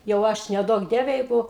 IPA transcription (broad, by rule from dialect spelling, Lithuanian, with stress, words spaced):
jɛʊ ˈɐʃ nʲɛˈduɔk ˈdʲiɛʋʲɛ ˈjɛɪɡʊ